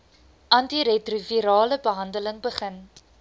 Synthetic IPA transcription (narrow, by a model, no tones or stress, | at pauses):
ʔɐntiɾɛtriviɾɑːləbəɦɐndələŋbəχən